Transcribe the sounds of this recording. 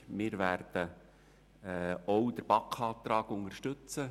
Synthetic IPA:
mɪːɾvæːɾd̥ə | ɔwd̥̪əɾb̥ɑkχɑːt̪ɾɑːɡ̥ʊŋəʃtɵt͡sə

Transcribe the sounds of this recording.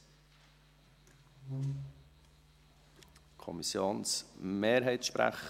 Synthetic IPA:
kʰɔ̰misjoːnsmeːɾɦɛɪtʃpɾæ̰χ

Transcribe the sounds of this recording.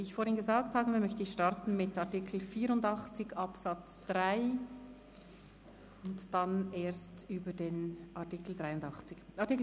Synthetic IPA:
viɪçfoːɾhɪnɡəzaːkthaːbəviːɐmœçtəɪçʃtɑɾtn̩mɪtaʁtikʰl̩fiːɾʊndɑχt͡sɪçɑpsat͡sd̥ʁaɪ | ʊntd̥aneːɐstyːbədeːnʔaɐtikl̩dʁaɪʊndɑχt͡sɪçʔɑtik

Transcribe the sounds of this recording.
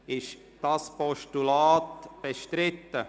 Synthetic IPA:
ɪʃ | d̥ɑspɔʃtulaːtb̥eʃtɾɪt̪ːə

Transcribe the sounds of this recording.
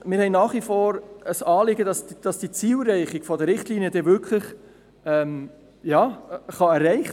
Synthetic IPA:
mɪːɾhɛɪnɑːχʋifoːɾəsɑːlɪɡədɑsdd̥ɑsd̥it͡siːlɾɛɪχɪɡ̥fɔdəɾɪχtliːnijədɛvʏkʰlɪχ | ɛm | jɑːχɑɛɾːɛɪχ

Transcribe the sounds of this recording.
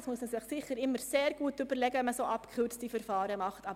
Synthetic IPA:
smuəsməsɪχsɪχəɾɪmːəɾseːɾɡuːt̚ːybəɾlɛɡəɛməsoːʔɑpkʰχʏɾt͡std̥ifəɾfɑːɾəmɑχtɑ

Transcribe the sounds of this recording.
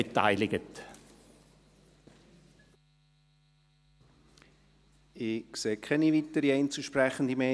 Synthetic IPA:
eta̰ɪlɪɡət | ɪkseːkʰɛnivitəɾiɛɪnt͡suʃprɛχən̩dimɛ

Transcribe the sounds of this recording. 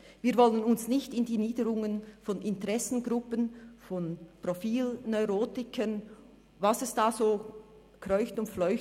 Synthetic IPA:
viːɾvɔlənʊnsnɪçtɪndiːniːdəɾʊŋənfɔnɪntəʁɛsn̩ɡʁʊpənfɔnprofiːlnɔʏʁoːtɪkʰən | vasɛsd̥aːzoː | krɔʏçtʊntflɔʏç

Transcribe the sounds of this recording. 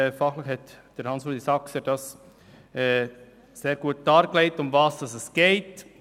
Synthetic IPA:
fɑχləχhɛtd̥əɾhɑnsod̪isɑksəd̥ɑs | ɛ | seːɾɡ̥uət̚d̥ɑːɾkleɪtʊmvɑːsd̥ɑsɛsɡ̥eɪt

